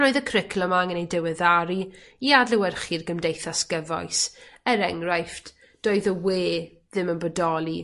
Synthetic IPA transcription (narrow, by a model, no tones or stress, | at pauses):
noːɨðəkʰrɪkʰlˠɔmaŋənejdɛwɛðaɾi | iadlɛwɛrχirɡəmdejθasɡəvɔ̰ɨsɛɾɛŋrajft | d̥oːɨðəweː | ðɪmənbɔdɔlˠi